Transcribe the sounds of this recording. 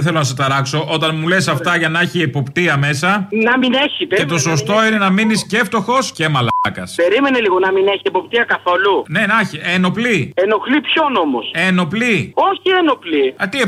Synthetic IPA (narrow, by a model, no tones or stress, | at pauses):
θe̞lonɐs̬ɐt̪ɐɾɐkso̞ʔo̞t̪ɐnmule̞sɐft̪ɐʝɐnɐeçiepo̞pt̪iɐme̞sɐnɐmineçit̪ee̞t̪o̞so̞st̪o̞ine̞nɐminisce̞ft̪o̞xo̞scemɐlkɐspe̞ɾime̞neliɣonɐmineçiepo̞p̚t̪iɐkɐθolune̞nɐçieno̞plie̞no̞xlipço̞no̞moseno̞plio̞çieno̞pliɐt̪ie